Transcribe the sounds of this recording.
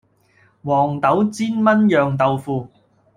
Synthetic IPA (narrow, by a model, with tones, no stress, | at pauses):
wɔː˨˩ŋt̪ɐ˨˥wt͡siː˥nmɐ˥njœː˨ŋt̪ɐ˨wfuː˨˧